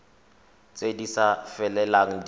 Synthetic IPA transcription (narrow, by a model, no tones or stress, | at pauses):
t͡sʼedisafɛlɛlaŋ̩d